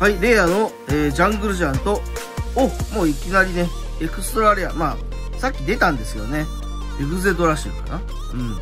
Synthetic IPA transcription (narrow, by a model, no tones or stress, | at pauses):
haiɾe̞ano̞ | eːd͡ʑãŋɡɯ̟ɾɯ̟ʑãnt̪o̞ | omo̞ːikʲinaɾʲine̞ | ekɯ̟sɨ̥t̪oɾaɾe̞a̰maː | sakʲːid̪e̞t̪ãnd̪e̞sɨjo̞̰ne̞ | eɡɯ̟ze̞d̪o̞ɾaɕḭ̃ːka̰na | ɯ̟̃ɴ